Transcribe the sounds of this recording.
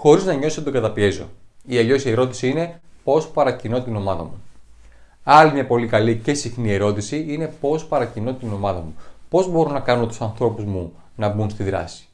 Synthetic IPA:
xo̞ɾiznɐɲo̞st̪oɡɐt̪ɐpie̞zo̞̰iɐʎo̞sɐeɾot̪i̥siine̞po̞spɐɾɐcino̞t̪ino̞mɐðɐ̰mu | ɐlimɲɐpo̞likɐlice̞sixnie̞ɾo̞t̪isiine̞po̞spɐɾɐcino̞t̪ino̞mɐðɐmupo̞zbo̞ɾonɐkɐno̞t̪u̥sɐnθɾo̞puzmu | nɐbunst̪iðɾɐ̰si̥

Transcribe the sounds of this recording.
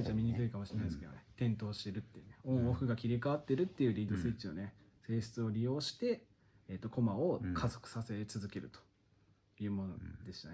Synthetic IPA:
t͡ɕamʲiɲ̟ikɨ̟ikamoɕiɾenaijesɨ̥ked̪o̰net̪ẽ̞nt̪o̞ːɕi̥t̪e̞ɾɯ̟t̪ːejɯ̟neõ̞ɰ̃oɸɯ̟ɡakʲiɾʲikaat̪ːe̞ɾɯ̟t̪ːe̞jɯ̟ɾʲiːd̪o̞sɨit͡ɕino̞̰ne̞se̞ːɕɨ̥t͡sɨo̞ɾʲijo̞ːɕi̥t̪e̞ | et̪ːo̞ko̞mao̞kʰazo̞̥kɯ̟̥sase̞t͡sɨzɨke̞ɾɯ̟̰t̪o̥ | jɯ̟ːmo̞no̰d̪e̞ɕi̥t̪a̰ne

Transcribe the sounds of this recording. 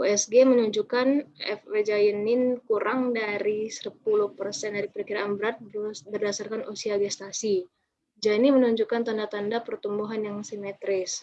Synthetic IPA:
ʔuɛsɡemənuɲd͡ʒukanɛ̰fwed͡ʒajənɪnkuɾʔaŋdaɾisəpuluhpərsɛndaɾipəɾəkiɾaʔːnbəɾat̪̚bərdasarkanʔosialdiast̪asi | d͡ʒanimənuɲd͡ʒukant̪andat̪andapərt̪umbuɦanjaŋsimɛt̪ɾɪs

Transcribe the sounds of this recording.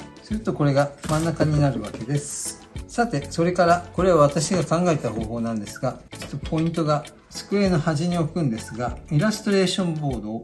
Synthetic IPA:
sɨɾɯ̟t̪o̞ko̞ɾe̞ɡamãnːakaɲ̟inaɾɯ̟β̞ake̞d̪e̞sɨ̥ | sat̪e̞so̞ɾe̞kaɾako̞ɾe̞βaβ̞at̪aɕiɡakãŋɡae̞t̪aho̞ːɦo̞ːnãnd̪e̞sɨ̥ɡat͡ɕi̥t̪ːopʰo̞ĩnt̪o̞ɡa | sɨ̥kɯ̟e̞nohaʑiɲ̟io̞kɯ̟̃nd̪e̞sɨɡaiɾast̪o̞ɾe̞ːɕõ̞mbo̞ːd̪o̞ː

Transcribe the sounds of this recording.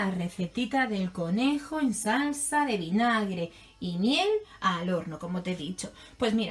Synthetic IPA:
are̞θe̞t̪it̪aðe̞lko̞ne̞xo̞ensalsaðe̞βinaɣɾe̞ | imje̞lalo̞ɾnoko̞mo̞t̪eðit͡ʃo̞ | pwe̞zmiɾa

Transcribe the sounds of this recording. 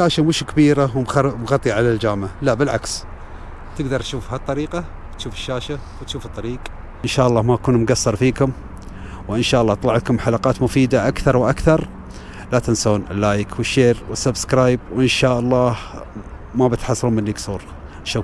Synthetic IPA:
ʃaːʃamʊʃkabiːɾawmmɣɑt̪ˤːiʕalald͡ʒaːmʕalaʔbɪlʕaks | t̪ɪɡd̪ɑɾˤt̪ʃuːfhat̪ˤːɑɾiːqa | wt̪ʃuːfɪ̥ʃːaːʃa | wt̪ʃuːfɨt̪ˤːɑɾiːq | ɪnʃaːʔɑlˤːɑːmaakuːnmʊɡasːɑɾˤfiːkʊm | wʔɪnʃaːʔɑlˤːɑːt̪ˤlɑʕt̪kʊmħalɑqɑːt̪mʊfiːd̪aʔakθɑɾˤwʔakθɑɾˤ | lat̪ɪnsoːnʔɪlːaːjkʰwɪʃːeːɾwɪsːabskɾaːjb̚wʔɪnʃaːʔɑlˤːɑːh | mabɪt̪ħɑsˤːluːmɪnːaɡsˤuːɾ | ʃa

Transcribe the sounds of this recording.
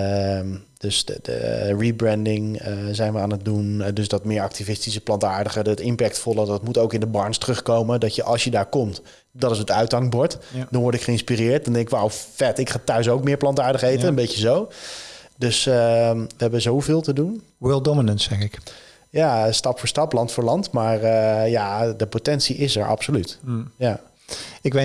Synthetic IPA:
m | d̥øsdə̰ribɹɛndɪŋzɛjnʋəaːnət̚dundøsdɔtmɪːɹɑk̚tivɪstisəplɑntaːɹdəχəətɪmpɛk̚tfɔlˠədɔtmutowkɪndəbɑɹnstərɵχkowmədɔtjəʔɑlˠsjədaːɹkɔmt | dɑtɪs̬ətœɥtɑŋbɔɹtdɑ̃nʋɔɹtɪkχəɪnspirɪːɹt̚dɔndɛŋkɪkʋawfɛtɪkχaːtœɥs̬owkmɪːɹplɑntaːɹdəχəejtənəmbejcəzow | dɵsəʋəɦɛbəəzowvɪːlˠtədun | wɪlˠdɔmənənsɛχɪk | jastɑpfʊːɹstɑplɑntfʊːɹlɑntmaːɹəjadəpotɛnsiʔɪsɛɹʔɑ̰psolytja | ɪkʋe

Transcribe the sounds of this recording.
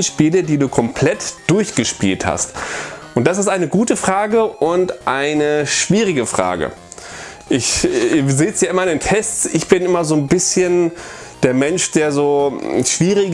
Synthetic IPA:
nʃpiːlədiːduːkʰɔmpʰl̥ɛtd̥ʊɐçɡ̥əʃpḭːltha̰stʔʊntd̥as̬ɪstʔaɪnəɡuːtəfʁ̥aːɡəʔʊntʔaɪnəʃv̥iːʁ̞ɪɡəfʁ̥a̰ːɡə̰ | ʔɪçzeːsjaːʔɪmɐɪndeːntʰɛstt͡sʔɪçb̥ɪnʔɪmɐzoːnbɪsçən | d̥eːɐmɛnʃd̥eːɐzoːʃv̥iːʁɪ

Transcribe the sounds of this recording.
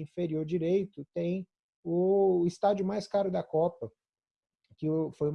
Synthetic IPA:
ĩfeɾioɾd͡ʒiɾejt̪ʊt̪ẽj̃ | ʊɪst̪ad͡ʒʊmajskaɾʊd̪ɐkɔpɐ | kɪʊfoju

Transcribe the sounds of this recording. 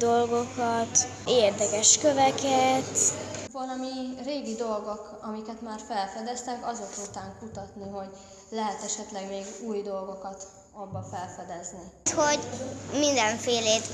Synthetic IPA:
d̪o̞lɡo̞kɒt̪eːrd̪ɛkɛʃkøvɛkɛt̪vɒlɒmireːɡid̪o̞lɡo̞k | ɒmikɛt̪maːrfɛlfɛd̪ɛst̪ɛkɒzot̪ut̪aːŋkut̪ɒt̪niɦo̞ɟ | lɛɦɛt̪ɛʃɛt̪lɛɡmeːɡuːjd̪o̞lɡo̞kɒt̪ | ɒbːɒfɛlfɛd̪ɛznit̪ho̞ɟmind̪ɛɱfeːleːt̪

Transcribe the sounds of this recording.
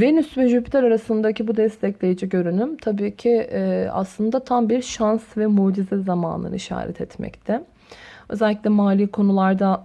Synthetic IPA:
venysvɛʒypʰi̥t̪ʰaɾaɾasɯnd̪acʰibud̪ɛst̪ʰɛclʲejid͡ʒiɟø̞ɾynymt̪ʰabiːcʰia̰slˠɯnd̪at̪ʰambiɾʃansvɛmod͡ʒizɛzama̰ːnˠɯ̰nɯ̰iʃa̰ːɾɛ̰t̪ʰɛt̪mɛ̰ct̪ʰɛ | ø̞̰zɛlʲːiclʲɛmaːlʲiːkʰo̞nulˠaɾd̪a

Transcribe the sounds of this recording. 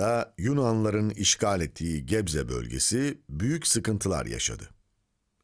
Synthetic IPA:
ajunanlˠaɾɯniʃcʰaːlʲɛt̪ʰːiːɟɛbzɛbø̰lʲɟḛsibyjycsɯkɯnt̪ʰɯlˠa̰ɾja̰ʃa̰d̪ɯ

